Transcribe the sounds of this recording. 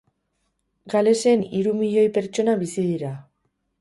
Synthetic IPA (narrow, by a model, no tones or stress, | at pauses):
ɡale̞se̞niɾumiʎo̞jpe̞ɾt͡ʃo̞naβisiðiɾa